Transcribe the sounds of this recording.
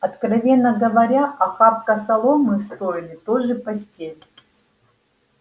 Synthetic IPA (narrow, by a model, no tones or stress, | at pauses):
ɐt̪krɐvʲe̞nːəɡəvɐɾʲaʔɐxap̚kɐsɐlˠomɨst̪oɪlʲɪt̪oʐɨpɐsʲtʲelʲ